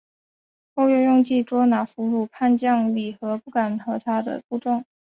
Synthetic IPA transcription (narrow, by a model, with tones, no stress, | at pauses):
ko˥˧ʊjʊ˥˧jʊ˥˧ŋt͡ɕi˥˩ʈ͡ʂwɔ˥na˨˩fu˧˥ɻu˥˩pʰa˥˧nt͡ɕjɑ˥˧ŋli˨˩xɤ˧˥pu˥˩ka˨˩nxɤ˧˥t̪ʰa˥d̪ə̰˨pu˥˧ʈ͡ʂʊ˥˩ŋ